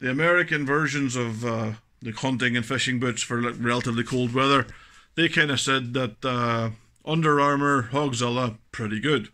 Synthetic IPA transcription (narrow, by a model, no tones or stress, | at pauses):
ðiəmɛɹɪkɨ̃nvɜ˞ʒə̃nzʌv | ðəkʰʌ̃ntɪ̃ŋɨ̃nfɪʃɪ̃ŋbʉtsfə˞ɹɛlˠətəvlˠikʰolˠd̚wɛðə˞ðekʰãɪ̃ndə̥sɛd̪̚ðətə | ʔʌ̃ndə˞aɹmə˞hɔɡzɛlˠəpʰɹ̥ɪɾiɡʊd̥